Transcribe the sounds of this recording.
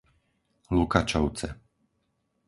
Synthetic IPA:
lukat͡ʃawt̪sɛ

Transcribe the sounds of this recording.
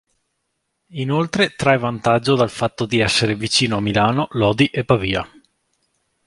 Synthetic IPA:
inolt̪ɾet̪ɾajvant̪ad͡ʒːod̪alfat̪ːod̪iɛsːeɾevit͡ʃiːnoamilaːnolɔːd̪iʔepːaviːa

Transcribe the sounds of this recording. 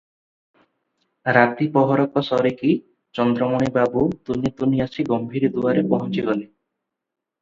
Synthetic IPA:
ɾat̪ipɔɦɔɾɔkɔsɔɾeki | t͡ʃɔnd̪ɾɔmoɽ̃ibabut̪unit̪uniasʰiɡɔmbʱiɾd̪uaɾepɔɦɔnt͡ʃiɡɔli

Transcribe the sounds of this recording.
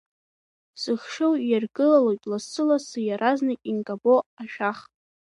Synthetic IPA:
sɨχʂowjarɡɨlalakʲʼlassɨlasɨjaɾʔaznakʲʼiŋkʼaboaʃᶣaχ

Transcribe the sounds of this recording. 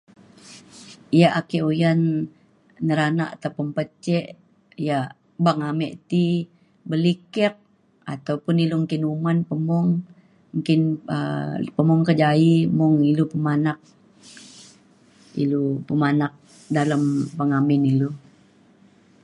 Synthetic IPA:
jaʔakeʔujanː | əɾanaʔat̪aupunpət͡ʃɛʔ | ja | baŋamɛʔt̪i | bəlikɛk̚ | at̪aupʊniluŋkɪnumanpəmɔŋ | ŋkɪnə̰pəmɔŋkəd͡ʒaimɔŋilupəmanak̚ | ḭlupəmanak̚ | daləmpəŋamɪnilo

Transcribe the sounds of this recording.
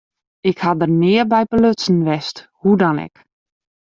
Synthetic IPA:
ɪkhadərnɪəbɛjpəløsn̩ʋɛsthudɔnɛ̰k

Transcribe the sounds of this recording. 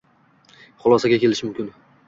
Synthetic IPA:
χʊlˠɒsaɡʲakʲe̞lɪʃɪmʊmkʲɪn

